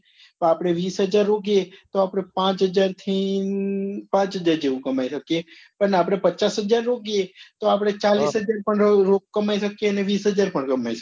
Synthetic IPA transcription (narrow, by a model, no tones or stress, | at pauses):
pəapɽ̃eʋiːsɦəd͡ʒaɾːoɡet̪oapɽ̃epãt͡ʃɦəd͡ʒaɾt̪ʰi | pãːt͡ʃɦəd͡ʒaɾd͡ʒeʋũkəmaiʃəkje | pəɾnapɽ̃epətːt͡ʃasɦəd͡ʒaɾːoɡet̪oapɽ̃et͡ʃalisɦəd͡ʒaɾpəɳɾokkəmaiʃəkjeəneʋiːsɦəd͡ʒaɾpəɳkəmaiʃə̥